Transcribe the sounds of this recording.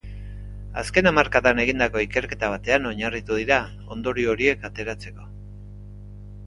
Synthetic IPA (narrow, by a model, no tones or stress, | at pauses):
aske̞namaɾkaðane̞ɣ̞ind̪ako̞ike̞ɾke̞t̪aβ̞at̪e̞ano̞ɲarit̪uðiɾa | o̞nd̪o̞ɾio̞ɾie̞kat̪e̞ɾat͡se̞ko̞